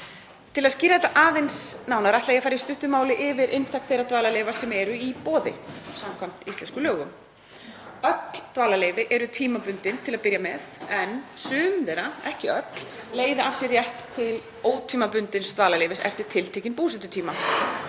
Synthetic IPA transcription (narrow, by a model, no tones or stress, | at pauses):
t̪ʰɪlaðsciːɾaðɛt̪ːaʔaːðejnsnaːwnaɾaht̪ajafaːɾjɪst̪ʏht̪ʏmaːwlɪʔɪvɪɾʔɪnt̪ʰak̪θejrat̪vaːlalejvasɛmɛɾʏipɔːðɪ̰samkʰam̥t̪ist̪lɛnskʏlœːɣʏm | œt̪l̥t̪vaːlaleːjvɪʔɛɾʏt̪ʰiːmapʏnt̪ɪnt̪ʰɪlaðpɪɾjamɛðɛnsʏːmðɛɾaɛhcɪœt̪l̥leːjðɪafsjɛrjɛht̪ʰːɪl | oːwt̪ʰiːmapʏnt̪ɪnst̪vaːlalejvɪsɛ̰ft̪ɪɾ̥t̪ʰɪlt̪ʰeːcɪnpuːsɛt̪ʏt̪ʰiːma